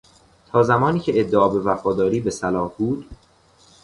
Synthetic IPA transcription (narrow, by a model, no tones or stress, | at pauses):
t̪ʰɒːzæmɒːniːcʰe̞ed̪ːeʔɒːbe̞væfɒːd̪ɒːɾiːbe̞sælɒːhb̥uːd̪̥